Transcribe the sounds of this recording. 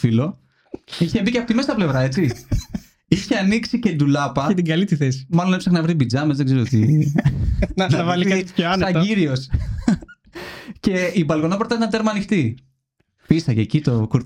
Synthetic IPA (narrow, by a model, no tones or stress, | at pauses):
filo̞ | içe̞biceɐpot̪imest̪ɐple̞vɾɐe̞t͡si | içeɐniksice̞d̪ulɐpɐet̪iɡɐlit̪iθesi̥mɐlo̞nepsexɐnɐvɾibid͡zɐmezðeɡzeɾoot̪ḭ | nɐvɐlikɐiçooɐnɐt̪ɟiɾio̞s | ce̞ibɐlɣo̞nɐpɾot̪ɐit̪ɐnt̪e̞ɾmɐnixt̪i | pisɐʝecit̪o̞kuɾ